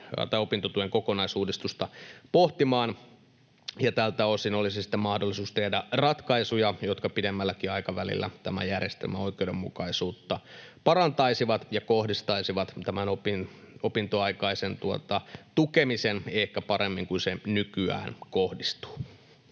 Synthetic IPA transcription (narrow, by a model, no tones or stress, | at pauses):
t̪ɑiopint̪ot̪ueŋkokonɑisuːdist̪ust̪ɑpoht̪imɑːn | jɑt̪ælt̪æosinolisisi̥t̪ːemɑhdolːˑisuːst̪ehdærɑt̪kɑisujɑjot̪kɑpidemːælːækiɑikɑʋælḭlːæ̰t̪æmæ̰jærjest̪ḛlmæoikˑeudemːukɑisuːt̪ːɑpɑɾɑnt̪ɑisiʋɑt̪jɑkohdist̪ɑisiʋɑt̪t̪æmænopin | opint̪oɑikɑisent̪uot̪ɑt̪ukemisenehkæpɑɾemːiŋkunsenykyæ̰ːnkohdist̪u̥ː